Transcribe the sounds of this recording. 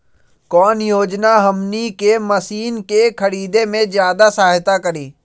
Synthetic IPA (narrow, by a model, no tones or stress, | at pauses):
kɔːnjoːd͡ʒnaɦəmnikeməsiːnkekʰɐɾiːd̪emẽzjaːd̪asaːɦt̪akəɾĩː